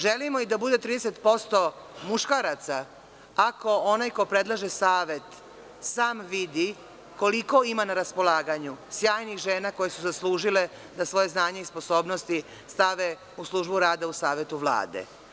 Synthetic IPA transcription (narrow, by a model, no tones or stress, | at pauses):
ʒelimoid̪abud̪e̞t̪ɾiːd̪eset̪po̞st̪o̞ | muʃkaɾat̪sa | ako̞onajkopɾe̞d̪lˠaʒe̞saːʋe̞t̪ | saːmʋid̪i | ko̞liko̞imanaɾaspo̞lˠaːɡaɲusjaːjnixʒeːnako̞jesuzaslˠuːʒile | d̪asʋo̞jeznaːɲe̞ispo̞so̞ːbno̞st̪i | st̪aʋe | uslˠuːʒbuɾaːd̪ausaːʋe̞t̪uʋlˠa̰ːd̪ḛ